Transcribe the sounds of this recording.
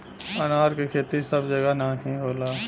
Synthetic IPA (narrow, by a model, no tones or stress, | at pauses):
ənaːɾkikʰeːt̪isəbd͡ʒəɡanaɦĩɦoːlaː